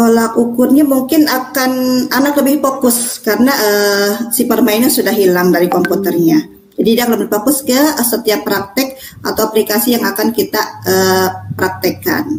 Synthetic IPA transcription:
olakukʊrɲamuŋkɪnakananakləbɪhpokʊskaɾənaʔəːsipərmainɲasudahɦilaŋdaɾikɔmput̪ɛrɲa | d͡ʒadidakləbɪhpokʊskəsət̪iapːɾak̚t̪ɛk̚ | ʔa̰t̪awaplikasijaŋakankit̪aəːpɾak̚t̪əka̰n

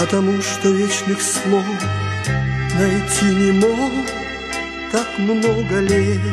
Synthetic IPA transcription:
pət̪ɐmuʂt̪onʲeʂnʲɪxslˠo | nɐjtʲinʲɪmo | kakmnoɡəlʲe

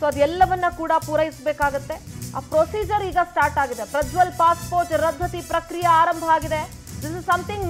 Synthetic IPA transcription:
soːɐd̪ɛlːɐʋɐnːɐkuːɽɐpuːɾɐjisbeːkaːɡut̪ːe̞a̰ːpɾoːsiːd͡ʒɐɾiːɡɐsʈaːɾʈaːɡid̪e̞pɾɐd̪ʱʋɐlpaːspoːɾʈɾɐd̪ʱːɐt̪ipɾɐkɾijɐaːɾɐmbʱɐaːɡid̪e̞ | d̪isizsɐmt̪ʰiŋɡ

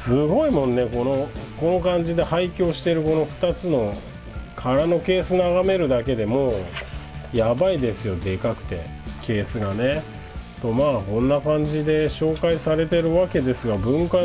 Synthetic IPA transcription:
sɨɡo̞imõ̞nːe̞ko̞no̞ko̞no̞kãɲd͡ʑid̪e̞haikʲo̞ːɕi̥t̪e̞ɾɯ̟ko̞no̞ɸɯ̟̥t̪at͡sɨno̞ | kʰaɾano̞ke̞ːsɨnaɡame̞ɾɯ̟d̪ake̞d̪e̞mo̞ː | jabaid̪e̞sɨjo̞d̪e̞kakɯ̟̥t̪e̞̰ | kʰe̞ːsɨɡane̞ | t̪o̞maːkõ̞nːakãɲ̟d͡ʑid̪e̞ɕo̞ːkaisaɾe̞t̪e̞ɾɯ̟βake̞d̪e̞sɨɡabɯ̟̃ŋka

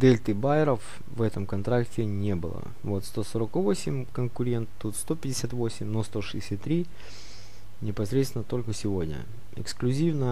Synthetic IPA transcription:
d̪ɛlʲt̪ɨbaɪɾəf | vɛt̪əmkɐnt̪ɾaktʲɪnʲe̞bɨ̰lˠə̰ | vo̞t̪st̪o̞soɾəkvosʲɪmʲkənkʊɾʲe̞nt̪ːut̪st̪o̞pʲɪdʲɪsʲat̪vo̞sʲɪmʲnost̪o̞ʂɨɪ̥sʲat̪ːɾʲi | nʲɪpɐsɾʲet̪sʲɪnət̪o̞lʲkəsʲɪvo̞dʲnʲə̰ | ɪ̰ksklʲʉzʲivnə

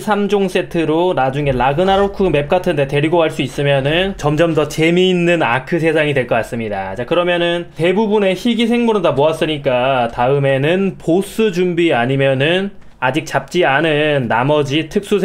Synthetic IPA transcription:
sʰamd͡ʑoŋs͈e̞tʰɯɾonad͡ʑuŋe̞laɡɯnaɾokʰɯme̞p̚k͈atʰɯnde̞te̞ɾiɡokaɭs͈uis͈ɯmjʌnɯnt͡ɕʌmd͡ʑʌmdʌt͡ɕe̞miːnːɯna̰kʰɯsʰe̞sʰaŋidwe̞ɭk͈ʌk͈as͈ɯmɲidat͡ɕakɯɾʌmjʌnɯnte̞bubune̞çiɡisʰe̞ŋmuɾɯndamoas͈ɯɲik͈ataɯme̞nɯnpos͈ʰɯd͡ʑumbiaɲimjʌnɯn | ad͡ʑik̚t͡ɕap̚t͡ɕ͈ianɯnːamʌd͡ʑitʰɯk̚s͈u

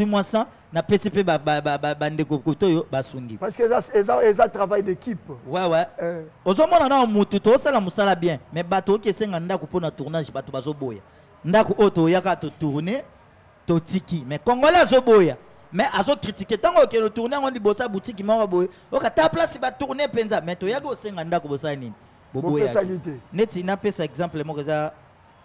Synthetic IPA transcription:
wimwasã | napesipeaaabandekokutojobasuŋɡḭpaskezezatʁavajdekipwɛwɛ | ozomɔnanawamututozosalamosalabjɛ̃mɛbatookiesɛŋɡandakoponatuʁnaʒbatobazoboja̰ | ndakoʔojotojakatotuʁne | totikimɛkoŋɡolɛazoboja | mɛʔazokʁitiketãŋɡookɛnotuʁneŋɡolibosabutik̬imɔkaboje | okataplasibatuʁnepenzamɛtojakiosɛŋɡandakobosalanini | bobojaitndetinapesaɛkzãmplɛmɔkeza

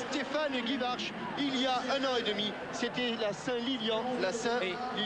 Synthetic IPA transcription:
st̪efanɡivaʁʃ | iljaɛ̃nɑ̃ed̪əmi | set̪ɛlasɛ̃liljɑ̃lasɛ̃li

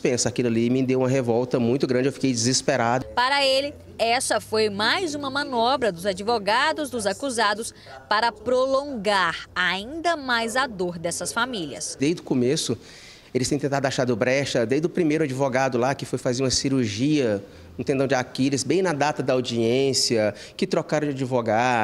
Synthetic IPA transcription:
d͡ʒispẽsakilʊɐlimɪd̪ewũmɐɦevɔwt̪ɐmũj̃t̪ʊɡɾɐ̃nd͡ʒɪewfi̥kejd͡ʒɪzispeɾad̪ʊpaɾɐelɪ | ɛsɐfojmajzũmɐmɐ̃nɔbɾɐd̪ʊzad͡ʒivoɡad̪ʊzd̪ʊzakuzad̪ʊs | paɾɐpɾolõŋɡaɾaĩnd̪ɐmajzad̪oɾd̪ɛsɐsfamiliɐ̰sd̪ejzd̪ʊkomesʊ | elɪst̪ẽk̪t̪ẽnt̪ad̪ʊaʃaɾd̪ʊbɾɛʃɐd̪ejzd̪ʊpɾimejɾʊad͡ʒivoɡad̪ʊlakɪfojfazeɾũɐsiɾuɾʒiɐ | nɐ̃t̪ẽd̪ɐ̃w̃d͡ʒakilɪzbẽj̃nɐd̪at̪ɐd̪ɐawd͡ʒiẽsiɐ | kɪt̪ɾɔkaɾɐ̃d͡ʒad͡ʒivoɡa

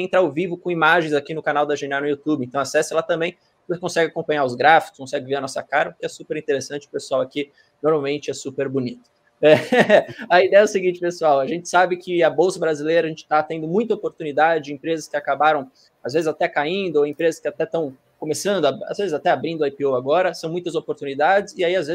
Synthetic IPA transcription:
ẽt̪ɾawvivʊkõimaʒẽj̃zakinʊkanawd̪ɐʒẽnanʊjut̪ubɪẽt̪ɐ̃w̃asɛsɪɛlat̪ɐ̃mbẽj̃ | sekõsɛɡɪakõpɐ̃ɲ̃aɾʊzɡɾafikʊ̥skõsɛɡɪveɾɐnɔsɐkaɾɐʊkɪɛsupeɾĩnt̪eɾesɐ̃nt͡ʃɪʊ̥pesʊawaki | noɾmawmẽnt͡ʃɪɛsupeɾbʊnit̪ʊ̥ | ɛ | ɐid̪ɛjɐɛʊsɪɡĩnt͡ʃɪpesuawɐʒẽnt͡ʃɪ̥sabɪkɪɐbowsɐbɾazilejɾɐʒẽnt͡ʃɪ̥t̪at̪ẽd̪ʊmũj̃t̪̬ɐopoɾt̪unid̪ad͡ʒɪẽpɾezɐskɪakabaɾɐ̃w̃ | azvezɪzat̪ɛkaĩnd̪ʊoẽpɾezɐskɪat̪ɛt̪ɐ̃w̃ | kõmesɐ̃nd̪ʊaa̰zvezɪzat̪ɛabɾĩd̪ʊajpiowaɡɔɾɐsɐ̃w̃mũj̃t̪ɐzopoɾt̪unid̪ad͡ʒɪzɪaiazvez

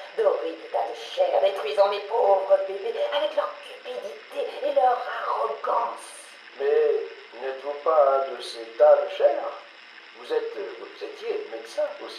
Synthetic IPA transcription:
d̪əʁed̪et̪alʃɛʁd̪et̪χɥizɑ̃mepovʁəbebeavɛklœʁkʲypid̪it̪eelœʁaʁɔɡɑ̃s | mɛ | nɛt̪vɔ̃paɛ̃d̪əset̪alʃɛʁ | vuzɛt̪uzɛt̪jemed̪sɛ̃osi̥

